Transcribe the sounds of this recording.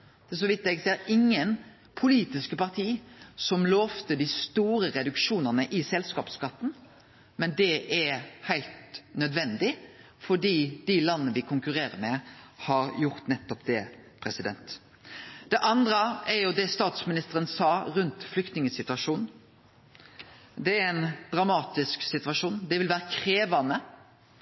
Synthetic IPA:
d̪̥ɛs̬ɔʋɪt̪ːɛɡseːɾɪŋːən | pʰʊliːt̪ɪskəpɑʁt̪ʰiːsɔmloːft̪əd̪ɪst̪uːɾəɾɛd̪ʉkʃuːnəʁnəʔɪsɛlskɑːpskɑt̪ːn̩ | mɛnd̪ɛʔɛhæɪlt̪nœd̪ʋɛnd̪ɪ | fɔɖiːd̪ɪlɑnːəʋɪkʰʊŋkʉɾeːɾəmɛhɑɾjʊʁt̪nɛt̪ːɔpd̪ɛpʰɾɛsɪd̪ɛnt̪ | d̪̥ɛʔɑnd̪ɾəɛɾjʊd̪ɛst̪ɑːt̪smɪnɪst̪əɾənsɑːɾʉnt̪flʏkt̪nɪŋəsɪt̪ʉɑʂuːn | d̪ɛæɾɛnd̪̥ɾɑmɑːt̪ɪsksɪt̪ʋɑʂuːnd̪ɛʋɪlʋæːɾəkʰɾeːʋɑnə

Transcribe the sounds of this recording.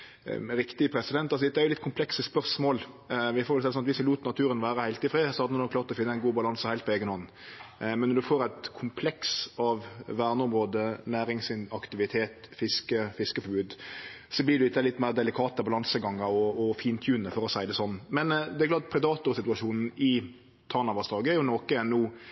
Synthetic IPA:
ɾɪkt̪ɪpʰɾɛsɪd̪ɛnt̪ːɑlsɔɛt̪ːəæɾjʊlɪt̪̚kʰʊmpʰlɛksəspœɾsmoːl | ʋɪfoːɾɛlsɛːsɔnɑt̪ʋɪsɛluːt̪ənɑt̪ʰʉːɾənʋæːɾəhæɪlt̪ɪfɾeːsɔhɑɾd̪ənnoːkʰlɑːɾt̪ɔfɪnːəæɪnɡuːbɑlɑnsəhæɪlt̪pʰɔeːɡənhɔnːn̩ | mɛnːɔɾd̪ʉfoːɾæɪt̪kʰʊmpʰlɛksɑʋʋæːʁnəɔmɾoːd̪ənæːɾɪŋsɪnɑkt̪ɪʋɪt̪ʰeːt̪fɪskəfɪskəfɔbʉːd̪sɔblɪd̪ʉɪt̪əd̪ɛlɪt̪ːmæɪːʁd̪ɛlɪkʰɑːt̪əbɑlɑnsəɡɑŋːəɾɔɔfiːnt̪ʰjʉːnəfɔɾɔsæɪd̪ɛsɔnːmɛnd̪ɛæɾɡ̪ɑːt̪pʰɾɛd̪ɑːt̪ʊɾsɪt̪ʉɑʃuːnn̩ɪ | t̪ʰɑʁnɑbɑsd̪ɑːɡəæɾjʊnɔːkəɛnːuː

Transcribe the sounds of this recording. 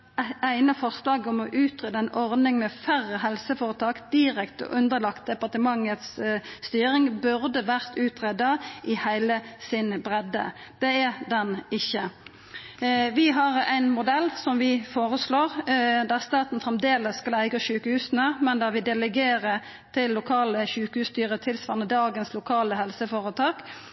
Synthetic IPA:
æɪnəfɔʁslɑːɡɔmɔʔʉːt̪ʁeːd̪əæɪnʔɔʁdnɪŋmɛfæʁəɦɛlsəfoːʁət̪ʰɑːkd̪̥ɪɾɛkt̪ɔ̰ʔʉnd̪əlɑkt̪̚d̪ɛpɑʁt̪əmɑŋːət̪sːt̪yːɾɪŋbʉʁd̪əʋæʁt̪ʉːt̪ʁɛd̪ɑʔɪhæɪləsɪnbʁɛd̪ə̰d̪̥ɛæd̪ɛnɪçːə | ʋɪɦɑʁæɪnmʊd̪ɛlːsɔmʋɪfoːʁəsloːʁd̪æʁst̪ɑːt̪n̩fʁɛmd̪eːləsːkɑlæɪɡəʃʉːkəhʉːsn̩əmɛnd̪æːʁʋɪd̪ɛlɛɡeːʁə | t̪ʰɪlːʊkʰɑːləçʉːkəhʉːst̪yːʁət̪ʰɪlsʋɑːʁənəd̪ɑːɡənslʊkʰɑːləhɛlsəfoːʁət̪ʰɑːk

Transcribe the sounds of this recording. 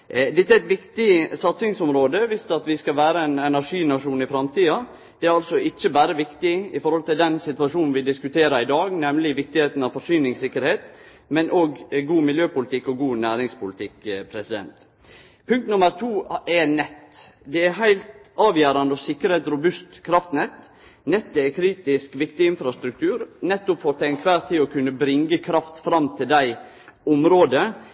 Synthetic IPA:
d̪ɛt̪ːɛɾɛɪt̪ʋɪkt̪ɪsɑt̪sɪŋsɔmɾoːd̪əʋɪst̪ɑt̪ʋɪskɑʋæːɾəɛnɛnæɾʂiːnɑʂuːnɪfɾɑmt̪ʰiːɑ | d̪̥ɛæɾɑlsɔɪt͡ʃːəbæːɾəʋɪkt̪ɪɪfɔɾhɔlt̪ɪld̪ɛnsɪt̪ʋɑʂuːnn̩ʋɪd̪ɪskʉt̪ʰeːɾɑɪd̪ɑːɡnɛmlɪʋɪkt̪ɪheːt̪n̩ɑʋfɔʂyːnɪŋsɪkːəɾheːt̪ | mɛnʔoːɡɡuːmɪljøːpʊlɪt̪ʰɪkːɔɡuːnæːɾɪŋspʊlɪt̪ʰɪkpʰɾɛsɪd̪ɛ̰nt̪ | pʰʉŋk̚t̪nʊməɾt̪ʰuːɛnɛt̪ː | d̪ɛæɦæɪlt̪ɑːʋjæːɾɑnd̪əɔsɪkːəɾheːt̪ɾʊbʉst̪kʰɾɑft̪nɛt̪ | nɛt̪ːɛækʰɾiːt̪ɪskʋɪkt̪ɪɪnfɾɑst̪ɾʉk̚t̪ʰʉːɾnɛt̪ːʊpfɔɾt̪ʰænkʰʋæːɾt̪ʰiːɔkʰʉnːəbɾɪŋɡəkʰɾɑft̪fɾɑmt̪ʰɪld̪æɪ | ʊmɾoːd̪ə

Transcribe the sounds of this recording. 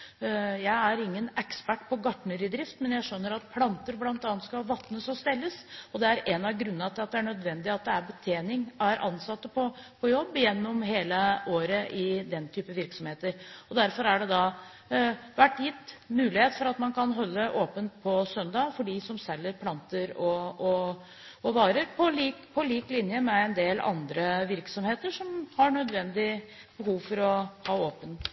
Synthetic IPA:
jæɪæɾɪŋːənɛkspæʈːpʰɔɡɑʈɳəɾɪd̪ɾɪft̪mɛnjæɪʂœnːəɾɑt̪̚pʰlɑnt̪əɾblɑnt̪ɑːnt̪skɑlʋɑt̪nəsɔst̪ɛlːəsɔd̪ɛæɾɛnɑɡɾʉnːɑɑt̪ʰɪlɑt̪̚d̪ɛæɳœd̪ʋɛnd̪ɪɑt̪̚d̪ɛæɾbət̪ʰeːnɪŋæɾʔɑ̰nsɑt̪ːəpʰɔpʰɔjɔbːjɛnːɔmɦeːləoːɾəʔɪd̪ɛnt̪ʰyːpəʋɪɾksɔmheːt̪əɾɔd̪æɾfɔɾæɖɛd̪ɑ | ʋæʈːjɪt̪ːmʉːlɪheːt̪fɔɾɑt̪mɑnkʰɑnɦɔlːəʔoːpənpʰɔsœnd̪ɑːfɔɖisɔmsɛlːəɾpʰlɑnt̪əɾɔɔ | ɔʋɑːɾəɾpʰɔliːkpʰɔliːklɪnjəmɛɛnd̪eːlɑ̰nd̪ɾəʋɪɾksɔmheːt̪əʂɔmhɑɳœd̪ʋɛnd̪ɪ | b̥əɦuːʋfɔɾɔhɑːoːpən

